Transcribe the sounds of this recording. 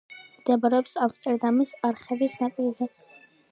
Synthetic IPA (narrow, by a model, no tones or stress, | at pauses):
md̪ɛbaɾɛɔpsavst̪ʼɛɾd̪amisaɾχɛvisnakʼilzɛ